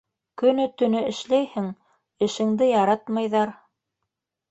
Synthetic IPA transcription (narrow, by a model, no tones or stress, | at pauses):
kɵ̆nɵt̪ɵ̆nɵɘ̆ʃlæjhɘŋ | ɘ̆ʃɘ̆ŋd̪ɘjɑɾɑt̪mɑjðɑɾ